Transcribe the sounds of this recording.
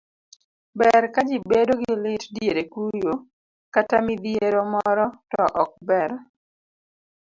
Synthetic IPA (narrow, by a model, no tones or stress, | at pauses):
bɛɾkad͡ʒibedoɡɪlɪtdjeɾekujo | katamɪd̪ieɾomɔɾɔtɔʔɔk̚bɛɾ